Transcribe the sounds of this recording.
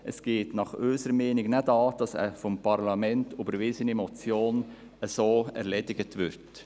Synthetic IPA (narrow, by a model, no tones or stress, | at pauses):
ʔəsɡ̥eːtnɑχøːsəɾəmeːnɪɡnɛdɑːd̥ɑsə̰fɔmpʰɑɾlɑmɛntʊbəɾʋɪsənimɔt͡sjoːn | əsoːɛ̰ɾleːdɪɡətʋɪɾt